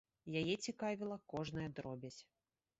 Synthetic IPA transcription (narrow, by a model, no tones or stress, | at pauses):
jajɛt͡sʲikavʲilˠɐkɔʐnɨjɛd̪ɾɔbʲɐt͡sʲ